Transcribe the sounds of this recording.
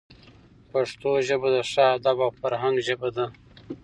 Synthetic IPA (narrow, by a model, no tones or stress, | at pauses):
paʂt̪oʒəbad̪aʂɑad̪abawfaɾɦaŋɡʒəbad̪a